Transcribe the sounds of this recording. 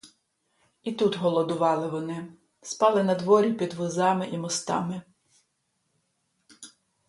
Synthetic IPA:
it̪ut̪ɦɔlˠɔd̪ʊʋɑlˠɪʋɔnɪ | spɑlˠɪnɐd̪ʋɔɾʲipʲid̪ʋɔzɑmɪʔimɔst̪ɑ̰mɪ

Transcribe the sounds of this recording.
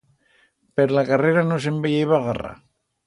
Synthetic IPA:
peɾolakareɾanosembejajβaɣara̰

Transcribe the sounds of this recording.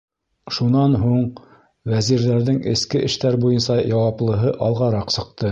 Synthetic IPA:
ʃunɑnɦuɴ | wæziɾðæɾðɘŋɘ̆skɘʔɘ̆ʃt̪æɾbujɤnsɑjɑwɑplˠɤ̆ɦɤʔɑlˠʁɑɾɑqsɤ̆q̚t̪ɤ

